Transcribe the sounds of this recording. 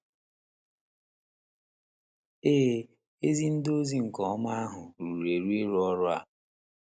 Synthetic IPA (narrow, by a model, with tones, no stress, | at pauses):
eː˦ | e˦zi˦n̩˦do˦zi˦ŋ̩˨kɔ˦ɔ˦ma˦a˦ɦʊ˨ɾu˨ɾe˨ɾu˦e˦ɾɔ˦ɾʊ˦a̰˨